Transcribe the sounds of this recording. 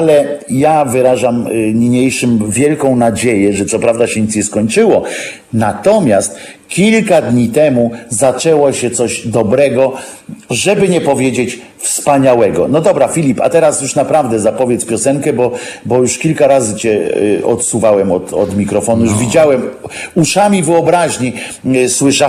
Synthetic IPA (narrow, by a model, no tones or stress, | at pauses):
alɛ | javɘɾaʐamɲiɲejʂɘmvʲjɛlkɔ̃w̃nad͡ʑejɛʐɛt̪sɔpɾavd̪aɕɛɲit̪sɲɛskɔɲt͡ʂɘwɔ | nat̪ɔmʲjast̪̚ | kʲilkad̪ɲit̪ɛmuzat͡ʂɛwɔɕɛt̪sɔʑd̪ɔbɾɛɡɔ | ʐɛbɘɲɛpɔvʲjed͡ʑet͡ɕ | fspaɲawɛɡɔnɔd̪ɔbɾafʲilʲipa̰t̪ɛɾasjuʂnapɾavd̪ɛzapɔvʲjɛt̪spʲjɔsɛŋkɛbɔbɔjuʂkʲilkaɾazɘt͡ɕɛɔt̪suvawɛmɔt̪ɔd̪mʲikɾɔfɔnujuʐvʲid͡ʑawɛmuʂamʲivɘɔbɾaʑɲi | swɘʂa